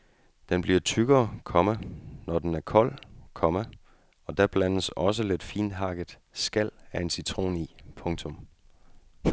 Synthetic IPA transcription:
d̥enb̥liɐt͡sʰyɡ̥ɐːkʰɒ̽mænɒd̥enæɐkʰɒ̽l̰kʰɒ̽mæ | ɒ̽d̥æb̥lænəsɒ̽səle̝d̥fḭːn̥ɦɑ̈ɡ̥ə | sɡ̥æl̰æɐe̝nsit͡sʰʁo̝̰ːniːpʰɔ̽ŋt͡sʰɔ̽m

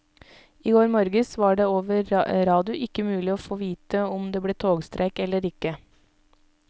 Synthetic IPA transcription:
iːɡoːɾmɔɾɡəsʋɑːɖeːoːʋəɾɾɑːd̪ɪʊʔɪkːəmʉːlɪoːfoːʋiːt̪əɔmd̪eːbleːt̪ʰoːɡst̪ɾʔeːkɛlːəɾɪkːə

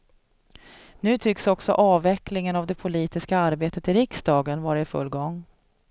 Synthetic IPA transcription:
nʉ̟ːt̪ʰʏksɔksɔ̰ʔɑːvɛklɪŋənavd̪ɛpʰʊliːt̪ɪskaaɾbeːt̪ət̪ɪɾɪksd̪ɑːɡənvɑːɾaɪfɵ̰lːɡɔŋː

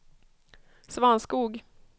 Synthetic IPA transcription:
svɑanskuːɡ

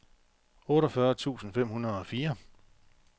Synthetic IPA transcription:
ɔ̽ːɾɒfɶɐt͡sʰṵːsn̩fem̰hunɐð̩ˠɒ̽fiːɐ

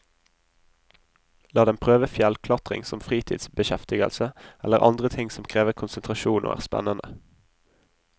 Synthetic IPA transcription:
lɑːd̪ɛmpʰʁøːʋəfjɛlkʰlɑt̪ʁɪ̰ŋsɔmfʁiːt̪ʰḭːd̪sbəʃɛft̪ɪɡə̰lsəɛləʁʔɑ̰nd̪ʁət̪ʰɪŋsɔmkʰʁeːʋəʁkʰʊnsənt̪ʁɑʃuːnʔo̰ːæ̰ːʁspæ̰nənə

